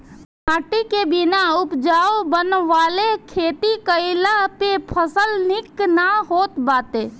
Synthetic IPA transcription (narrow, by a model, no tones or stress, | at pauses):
nãːʈikebɪnaʊpd͡ʒaːobənʋaːlekʰeːt̪ikəɪlapepʰəsəlnɪknaɦoːt̪baːt̪eː